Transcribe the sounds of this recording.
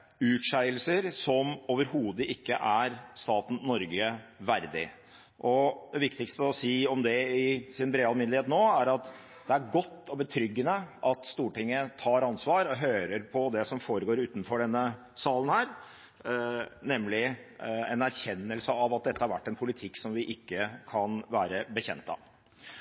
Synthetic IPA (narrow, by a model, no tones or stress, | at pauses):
ʉːt̪ʂæɪəlsəɾsɔmoːʋəɾhuːd̪əʔɪkːəʔæɾst̪ɑːt̪n̩nɔɾɡəʋæɾd̪ɪ̰ | ʔɔd̪ɛʋɪkt̪ɪkst̪əɔsiːɔmd̪ɛɪsɪnbɾeːɑlmɪnlɪeːt̪noːæɾɑt̪ | d̪ɛæɾɡɔt̪ːɔbət̪ʰɾʏɡːənəʔɑt̪st̪uːʈɪŋːət̪ʰɑːɾɑnsʋɑːɾɔɦøːɾəɾpʰɔd̪ɛsɔmfoːɾəɡoːɾʉːt̪n̩fɔɖɛnːə | sɑːlən̩hæːɾ | nɛmlɪɛ̰næɾçɛnːəlsəɑʋɑt̪̚d̪ɛt̪ːəhɑɾʋæ̰ʈːɛnpʰʊlɪt̪ʰɪkːsɔmʋɪʔɪkːəkʰɑnʋæːɾəbəçɛ̰nt̪ɑ̰